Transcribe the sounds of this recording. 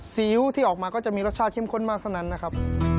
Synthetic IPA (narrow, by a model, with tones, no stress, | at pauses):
siː˩˦wt̪ʰiː˥˩ɔː˨˩k̚maː˧kɔː˥˩t͡ɕa˨˩ʔmiː˧ɾo˦˥t͡ɕʰaː˥˩t̪̚ke˥˩mkʰo˥˩nmaː˥˩k̚t̪ʰa˥˩wna˦˥nːa˦˥kʰɾa˦˥pʰ